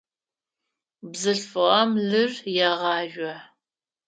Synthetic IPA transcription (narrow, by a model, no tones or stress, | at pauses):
bzɨɬfɨʁɐmɮɨrjaʁɑːʒʷɔ